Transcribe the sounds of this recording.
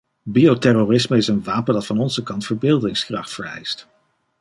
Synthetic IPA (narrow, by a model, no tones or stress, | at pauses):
biotɛrorɪsməɪsənʋaːpəndɑtfɑnɔnzəkɑntfəɹbɪːlˠdɪŋskrɑχtfəɹɛ̰jst